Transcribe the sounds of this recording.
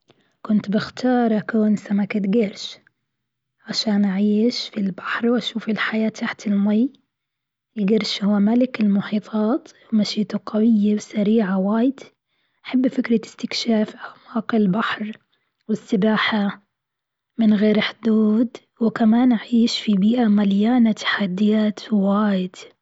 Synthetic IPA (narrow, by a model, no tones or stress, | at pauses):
kʊnt̪bɪxt̪ʰɑːɾˤʔakoːnsamakaɡɪɾʃ | ʕaʃaːnʔaʕiːʃfilbḁħɾˤwʔaʃuːfɪlħajaːt̪ʰːaħt̪ɪlmaj | ɪlɡɪɾˤʃhʊːmalɪkɪlmʊħiːt̪ˤʰɑːt̪wmaʃiːt̪ʊqawɪjːawsaɾiːʕawaːjɪd̪̥ | ʔaħabːfɪkɾaɪ̥st̪ɪkʃaːfʔamaːqɪlbaħɾˤ | wɪsːɪbaːħa | mɪnɣeːɾħd̪uːd̪ | wɪkamaːnʔaʕiːʃfibiːʔamaljaːnat̪ḁħad̪ːɪjaːt̪waːjɪd̪̥